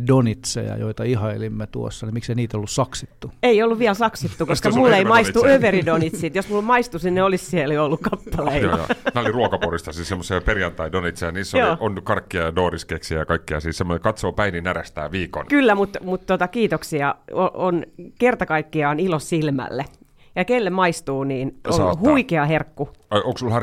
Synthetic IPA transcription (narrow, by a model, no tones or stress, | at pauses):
donit̪sḛjɑ̰joit̪ɑihɑelimːet̪uosːɑnimikseiniːt̪olːussɑksit̪ːueiolːuʋʋiælsɑksit̪ːukoskɑmulːeimɑist̪uøʋeridonit̪siːt̪josmulːomɑist̪usninneolissieljoolːukkɑpːɑlḛnæolliruokɑporist̪ɑsiːssemːosɑperjɑnt̪ɑidonit̪sijɑniːsːojoːonːykɑrkːiɑjɑdoːriskeksijɑkɑikːiɑ̰siːssemːonekɑt̪soːpæininæræst̪æ̰ːʋiːko̰nkylːæmut̪mut̪t̪ot̪ɑkiːt̪oksiɑoʔonkert̪ɑkɑikːiɑonilossilmæ̰lːe | jɑkelːemɑist̪uːniːnʔonhuikeɑherkːueoŋksulhɑ